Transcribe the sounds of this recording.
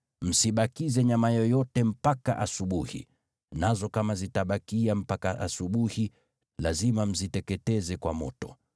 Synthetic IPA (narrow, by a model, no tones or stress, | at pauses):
m̩siɓakizɛɲamajɔjɔtɛm̩paka̰ʔasuɓuhḭ | nazɔkamazitaɓakiam̩pakaʔasuɓuhi | lazimam̩zitɛkɛtɛzɛkwa̰mɔtɔ̰